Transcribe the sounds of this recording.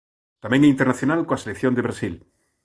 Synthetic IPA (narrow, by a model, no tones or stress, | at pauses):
t̪amẽŋɛint̪eɾnaθjonalkoaselekθjõnd̪eβɾasil